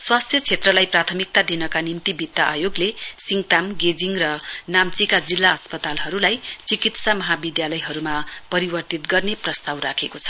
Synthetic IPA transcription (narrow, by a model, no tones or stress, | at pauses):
swast̪ʰjʌt͡sʰet̪rʌlajprat̪ʰʌmik̚t̪ad̪inʌkanimt̪ibit̪ːaʔajoɡlesiŋt̪amɡed͡ziŋrʌnamt͡sikad͡zilːaʌspʌt̪alɦʌɾulajt͡sikit̪samʌɦabid̪jalʌjɦʌɾumapʌɾibʌrt̪it̪ɡʌrneprʌst̪awrakʰekot͡sʰʌ̥